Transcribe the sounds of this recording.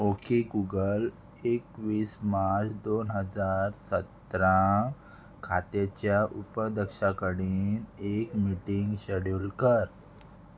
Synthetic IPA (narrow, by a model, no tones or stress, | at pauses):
okeɡuɡəl | ekʋiːsmaɾt͡sd̪onɦəd͡zaɾsət̪ɾã | kʰa̰t̪et͡ɕjaʔupəd̪əkɕakəɽiːnekmiʈiŋɡɕəɽjulkəɾ